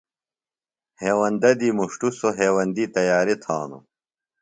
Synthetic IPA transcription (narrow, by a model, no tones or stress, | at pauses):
heːwɐnd̪ɐd̪iːmuʂʈusoɦeːwɐnd̪iːt̪ɐjaːɾit̪ʰa̰ːnṵ